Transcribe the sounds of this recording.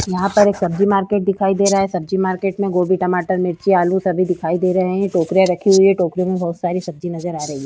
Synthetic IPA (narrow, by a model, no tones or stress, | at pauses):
jɐɦãpɐɾeːksɐb̚d͡ʒimaːɾkeːʈ̚d̪ɪkʰaːid̪eːɾɐaɦɛsɐb̚d͡ʒimaːɾkeːʈmẽɡoːbiʈɐmaːʈəɾmɪɾt͡ʃiaːlũsɐbʱid̪ɪkʰaːid̪eːɾɐɦɛɦɛ̃ʈoːkɾijaɾɐkʰiɦʊiɦɛʈoːkɾjõmẽbɐɦʊt̪saːɾisɐb̚d͡ʒinɐzəɾaːɾɐɦiɦɛ